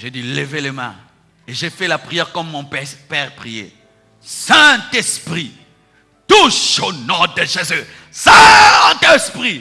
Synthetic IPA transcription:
ʒed̪iləveləmɛ̰̃ | eʒefɛlapχijɛʁkɔmːɔ̃pɛpɛʁpχijḛ | sɛ̃t̪ɛspχi | t̪uʃonɔd̪əʒezø | sɛt̪ɛspʁi

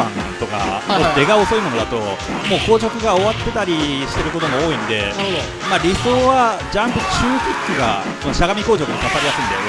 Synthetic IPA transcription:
ã̰nt̪o̞ka̰mod̪e̞ɡao̞so̞imo̞no̞d̪at̪o̞mo̞ːko̞ːʑo̞kɯ̟ɡao̞βat̪ːe̞t̪aɾʲiɕi̥t̪e̞ɾɯ̟ko̞t̪omoo̞ːĩnd̪e̞̰ | maɾʲiso̞ːβad͡ʑãmpɯ̟t͡ɕɨːkʲikːɨɡa̰ | ko̞no̞ɕaɡamʲiko̞ːt͡ɕo̞kɯokasaɾʲijasɨĩnd̪a̰jo̰ne

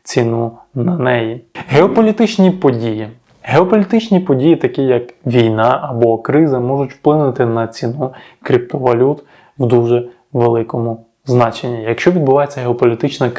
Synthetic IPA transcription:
t͡sʲinu | nɐnɛjiɦeɔpɔlʲit̪ɪt͡ʃnʲipɔdʲiji | ɦeɔpɔlʲit̪ɪt͡ʃnʲipɔdʲijit̪ɐkʲijɐkʋʲijnɑʔɐbɔkɾɪzɐmɔʒʊtʲwplˠɪnʊt̪ɪnɐt͡sʲinukɾʲip̚t̪ɔʋɐlʲut̪ | wd̪uʒɛ | ʋelˠɪkɔmʊ | znɑt͡ʃenʲːijɐkʃt͡ʃɔʋʲid̪̚bʊʋɑjet͡sʲːɐɦeɔpɔlʲit̪ɪt͡ʃnɐ

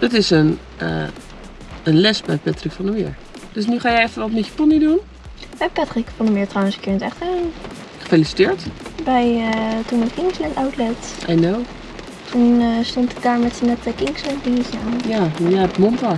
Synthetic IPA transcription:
d̥ətɪsən | ə̰ | ənlɛsbɛjpɛtrɪkfɔ̃ndəmɪ̰ːɹ | d̥øsnyχaːjɛjɛfənʋɔtmɛtjəpɔnidun | bɛjpɛtrɪkfɑndəmɪːɹtrawənskɪɹnətɛχtɛn | χə̥felisi̥tɪːɹtbɛjtunmɛtkɪŋslɛntawtlɛtʔɛnow | tʰunstontɪ̥k̚daːɹmɛtsənɛtəkɪŋslɛntbizanjajɛɛpmɔntə

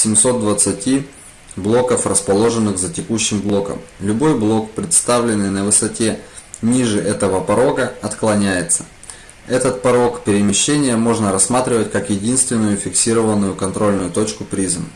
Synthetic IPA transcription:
sʲɪmʲso̞t̪̚d̪vət̪sɨtʲi | blˠo̞kəfrəspɐlˠo̞ʐɨnːɨxzətʲɪkuɕːɪmblˠo̞kə̰mlʲʊbo̞jblˠo̞kpɾʲɪt̪st̪avlʲɪnːɨjnəvɨsɐtʲe̞nʲiʐɨʔɛt̪əvəpɐɾo̞ɡəɐt̪klˠɐnʲæjɪt̪sə̥ | ɛt̪ət̪pɐɾo̞kpʲɪɾʲɪmʲɪɕːenʲɪjəmo̞ʐnəɾɐsːmat̪ɾʲɪvətʲkakjɪdʲinst̪vʲɪnːʊjʊfʲɪksʲiɾəvənːʊjʊkɐnt̪ɾo̞lʲnʊjʊt̪o̞t͡ɕkʊpɾʲizɨm

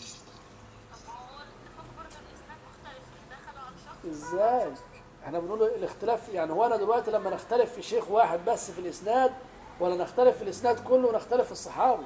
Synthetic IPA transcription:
ʔɪzːæːj | ʔeħnæbenʔuːlːlɪxt̪ɪlæːfjaʕnihoːæænæd̪elwæʔt̪ilæmːænɪxt̪ælefːiʃeːxwaːħed̪̚bæsːfilʔɪsnæːd̪ | wælːænɪxt̪ælɪfːilʔɪsnæːd̪kʊlːownɪxt̪ælefːisˤːɑħɑːwi

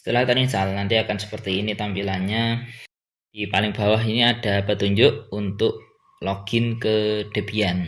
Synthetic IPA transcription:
sə̥t̪əlahk̪aisalnant̪iakansə̥pərt̪iːnit̪ampilanɲa | d̥ipalɪŋb̥a̤waɦiniad̥a̤pət̪uɲd͡ʒʊʔunt̪ʊʔ | loɡ̥ɪnkəɖ̥ə̤b̥ian

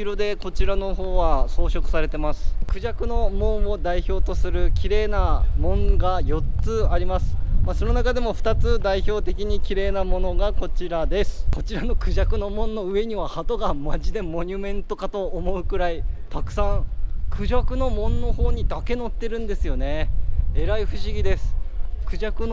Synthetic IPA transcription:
iɾo̞d̪e̞ko̞t͡ɕiɾano̞ɦo̞ːβaso̞ːɕo̞kɯ̟̥saɾe̞t̪e̞masɨ̥kɯ̟ʑakɯ̟no̞mõ̞ɰ̃o̞d̪aiço̞ːt̪o̞sɨɾɯ̟kʲʰiɾe̞ːnamõ̞ŋɡajo̞t͡sɨaɾʲimasɨ̥maso̞no̞nakad̪e̞mo̞ɸɯ̟̥t̪at͡sɨd̪aiço̞ːt̪e̞kʲiɲ̟ikʲiɾe̞ːnamo̞no̞ɡako̞t͡ɕiɾad̪e̞sɨ̥ko̞t͡ɕiɾano̞kɯ̟ʑakɯ̟no̞mõ̞nːo̞ɯ̟e̞ɲ̟iβ̞ahat̪o̞ɡamaʑid̪e̞mo̞ɲ̟ʲɯmẽ̞nt̪o̞kat̪o̞ːmo̞ɯ̟kɯ̟ɾait̪akɯ̟̥sãɴkʰɯ̟ʑakɯ̟no̞mõ̞nːo̞ho̞ːɲ̟id̪ake̞no̞t̪ːe̞ɾɯ̟̃nd̪e̞sɨjo̞ne̞e̞ɾaiɸɯ̟ɕiɡʲid̪e̞sɨ̥kɯ̟ʑakɯ̟n

